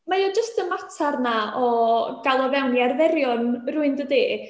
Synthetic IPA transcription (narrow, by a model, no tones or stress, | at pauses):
majɔd͡ʒəstəmatʰarnaɔɡ̥alˠɔvɛwniarvɛɾjɔnruːɨndədi